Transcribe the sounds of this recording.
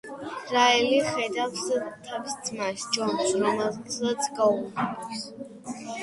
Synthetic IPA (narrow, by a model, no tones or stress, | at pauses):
ɾaɛliχɛd̪avst̪ʰavst̪sʰʼmasd͡ʒɔnsɾɔmɛzat̪sʰɡauas